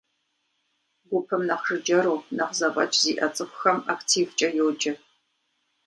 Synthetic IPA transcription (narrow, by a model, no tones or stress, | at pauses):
ɡʷʊpʰɨmnɐqʐɨd͡ʒɐɾoːnɐqzɐpʼɐ̰t͡ʃʰʼziːʔɐt͡sʼɨxʷʊxɐmaktʰiːvt͡ʃʼɐjowːd͡ʒʼɐ